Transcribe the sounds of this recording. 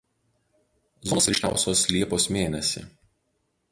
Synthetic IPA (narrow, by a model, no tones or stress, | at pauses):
zɔnoːsʲɾʲʃʲnʲæ̰ˑʊsʲoːslʲiɛpoːsmʲeːnʲɛsʲɪ̰